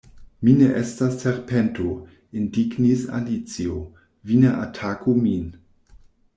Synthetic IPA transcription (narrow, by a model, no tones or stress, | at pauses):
mineʔestasːeɾpʰentʰo | indiɡnisa̰lit͡sio | vineʔatʰakumin